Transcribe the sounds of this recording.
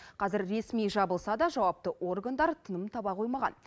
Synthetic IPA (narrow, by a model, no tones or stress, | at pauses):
qʰɑzɪɾːe̞smijʒɑbəlˠsɑd̪ɑʒɑwɑp̚t̪əʔo̞rɡand̪ɑɾt̪ʰənəmt̪ʰɑbɑqʰo̞jmɑʁɑ̰n